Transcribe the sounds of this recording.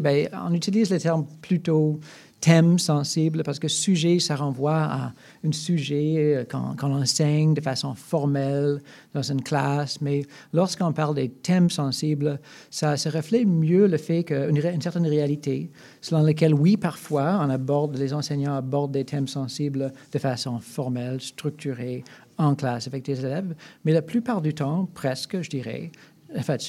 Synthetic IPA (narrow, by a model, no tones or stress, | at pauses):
bɛɔ̰̃nyt̪iliːzlet̪ɛʁmpʰlyt̪o | t̪ʰɛmsɑ̃siblpaʁsə̥kəsyʒɛsaʁɑ̃vwaa̰ | ɛ̃syʒɛkɑ̰̃kɔ̃lɑ̃sɛɲd̪əfasɔ̃fɔʁmɛl | d̪̥ɑ̃zynkʰlasmɛlɔʁskəɔ̃paʁld̪et̪ʰɛmsɑ̃sibl | sasəʁəflɛmjøləfɛkəynynsɛʁt̪ɛnʁealit̪ʰe | səlɔ̃lək̬ɛlwipaʁfwaɔ̃nabɔʁd̪lezɑ̃sɛɲɑ̃abɔʁd̪̚ːet̪ʰɛmsɑ̃sibld̪̥əfasɔ̃fɔʁmɛlst̪ʁyk̚t̪ʰyʁe | ɑ̃klasavɛk̚d̪̥ezelɛvmɛlaplypaʁd̪yt̪ɑ̃pχɛskʒəd̪iʁɛ̰ | ãfɛ̃